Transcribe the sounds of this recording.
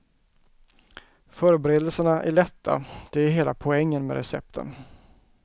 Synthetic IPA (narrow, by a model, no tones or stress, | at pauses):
fœːɾəbɛɾeːd̪əlsəɳaʔæ̰ɭɛt̪ʰːa̰d̪̥ɛæɾɦeːla̰pʰɔɛŋːənmɛ̰ɾɛsɛ̰p̚t̪ʰə̰n